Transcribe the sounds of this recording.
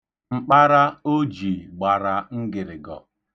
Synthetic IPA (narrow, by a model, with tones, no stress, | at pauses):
ŋ͡m̩˨k͡pa˦ɾa˦o˦d͡ʒi˨ɡ͡ba˨ɾa˨ŋ̩˦ɡɪ˨ɾɪ˨ɡɔ̰˨